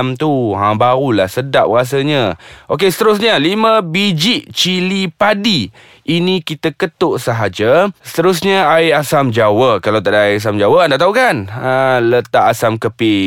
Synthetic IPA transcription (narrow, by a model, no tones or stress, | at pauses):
mt̪uɦãbaɾulahsədaʔ̚ɾas̬əɲə̃ʔok̬esə̥t̪əɾʊs̬ɲəlimə̃bid͡ʒiʔt͡ʃilipadi | ʔinĩkit̪akət̪ʊʔsəɦad͡ʒasə̥t̪əɾus̬ɲəajasamd͡ʒawəkalawt̪aʔdajas̬amd͡ʒawəandaʔt̪aɦukanələt̪aʔasamkəpɪ